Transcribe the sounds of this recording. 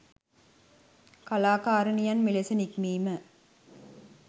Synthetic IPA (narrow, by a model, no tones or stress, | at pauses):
kɐlaːkaːɾɐnijɐnmilesɐnikmiːmə